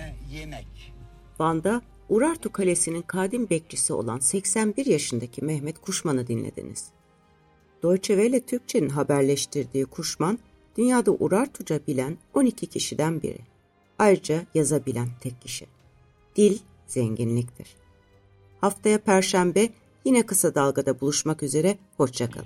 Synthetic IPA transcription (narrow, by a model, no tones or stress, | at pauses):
v̥and̪a | uɾaɾt̪ʰukʰalʲesininkʰaːd̪inbɛc̚d͡ʒisio̰lˠa̰nsɛcsænbiɾjaʃɯnd̪acʰimɛhmɛt̪kʰuʃmanɯd̪inlʲḛd̪ḭnḭz̥ | d̪̥o̞jt͡ʃʰe̞vejlʲɛt̪ʰyɾc̚t͡ʃʰe̞ninɦabæɾlʲɛʃt̪ʰiɾd̪iːkʰuʃman | d̪̥ynjaːd̪aʔuɾaɾt̪ʰud͡ʒabilʲæno̞nicʰicʰiʃid̪ænbḭɾɪ̰ | ajɾɯd͡ʒajazabilʲænt̪ʰɛcʰːiʃḭ | d̪̥ilʲ | z̥ɛɲɟinlʲic̚t̪ʰḭɾ̥ | haft̪ʰajapʰæɾʃæmbɛ | jinɛkɯsad̪alˠɡad̪abulˠuʃmakyze̞ɾɛho̞t͡ʃt͡ʃakʰa̰lˠɯ